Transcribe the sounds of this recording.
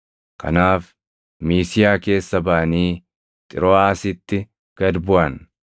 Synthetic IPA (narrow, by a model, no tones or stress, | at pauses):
kɐ̰naːf | miːsɪjaːke̞ːsːɐbɐʔɐniː | t̪ʼɪɾoːaːsɪt̪ːɪ | ɡ̥ɐd̪bʊʔɐn